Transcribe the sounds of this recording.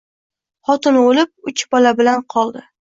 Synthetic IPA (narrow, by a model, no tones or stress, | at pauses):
χɒt̪ɪnolɪp̚ʊt͡ʃbɒlabɪlanqʰɒlˠd̪ɪ